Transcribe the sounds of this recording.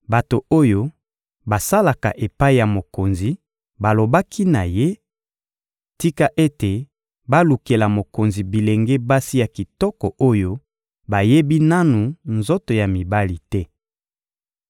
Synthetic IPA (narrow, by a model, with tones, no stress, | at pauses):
ba˨to˨o˦jo˦ | ba˨sa˦la˨ka̰˨ʔe˨pa˦i˨ja˨mo˨ko˨nzi˨ | ba˨lo˨ba˦kʰi˦na̰˨je˦ | ti˦ka˦ʔe˦te˨ | ba˦lu˨ke˨la˨mo˨ko˨nzi˨bi˨le˨ŋɡe˦ba˦si˦ja˨ki˨tɔ˦kɔ˨o˦jo˦ | ba˨je˦bi˦na˦nu˨nzo˦to˨ja˨mi˨ba˦li˨tɛ˦